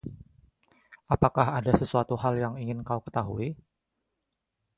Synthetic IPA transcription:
apakahadasəsuat̪uɦaljaŋiŋɪnkaukə̥t̪aɦui

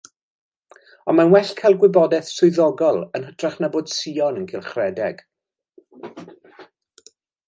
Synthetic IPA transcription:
ɔnmanwɛɬkʰaɪlˠɡwɪbɔdɛθsʊɨðɔɡɔlˠənɦətʰraχnaboːd̥siːɔnənkʰilˠχrɛdɛɡ̥

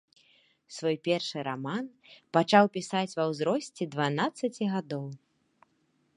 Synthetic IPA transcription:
svɔjpʲɛrʂɨɾamanpat͡ʂawpʲisat͡sʲvɐwzɾɔsʲt͡sʲɛd̪vanat̪sːɐt͡sʲiɣad̪ɔw

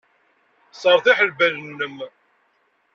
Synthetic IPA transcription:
sˤəɾˤθiħəlbælnːəm

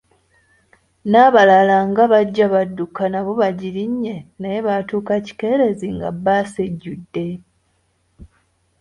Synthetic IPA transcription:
naːβalalaŋɡaβaɟːaβadːukanaβo̞βaɟiliɲːenaje̞βatuːkaci̥ke̞ːɾe̞ziŋɡa̰baseɟːudːe̞

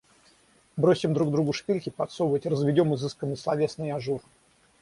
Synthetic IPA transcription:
bɾo̞sʲɪmd̪ɾuɡ̚d̪ɾuɡʊʂpʲilʲkʲɪpɐt̪sovətʲrəzvʲɪdʲo̞mɨzɨskənːɨjslˠɐvʲe̞snɨjaʐur

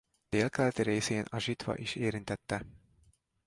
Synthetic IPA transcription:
d̪̥eːlkɛlt̪reːseːnʔɒʒit̪ʋɒ̰ʔiʃeːɾint̪ɛt̪ːɛ

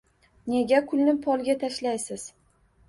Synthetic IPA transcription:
ne̞ɡʲakʰʊlnɪpʰɒlˠɡʲat̪ʰaʃlajsɪz̥

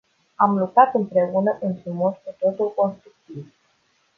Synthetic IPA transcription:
amlukɾat̪ɨmpɾe̞unəʔinfɾumo̞skut̪o̞t̪ulko̞nst̪ɾuk̚t̪iv

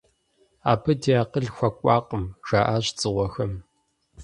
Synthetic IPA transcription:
a̰ːpʰɐdijaːqəɮxʷɐkʷʼɑːqʼəmʒ̥aːʔaːɕt͡sʼɨʁʷɔxɐm

